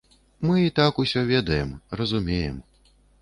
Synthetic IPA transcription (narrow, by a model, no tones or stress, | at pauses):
mɨit̪akusʲɔvʲɛd̪ɐjɛmrɐzumʲejɛ̰m